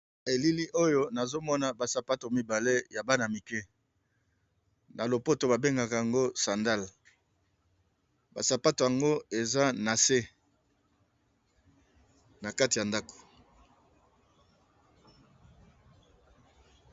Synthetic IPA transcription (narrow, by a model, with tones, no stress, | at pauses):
e˨li˦li˦ʔo˦jo˦na˨zo˦mɔ˦na˨ba˨sa˨pa˦to˨mi˨ba˨le˦ja˨ba˦na˨mi˨kɛ˦ | na˨lo˨po˦to˨ba˨be˦ŋɡa˨ka˨ja˨ŋɡo˦sa˨nda˦˨l | ba˨sa˨pa˦to˨ja˨ŋɡo˦e˨za˦na˨se˦ | na˨ka˦ti˨ja˨nda˦ko̥˨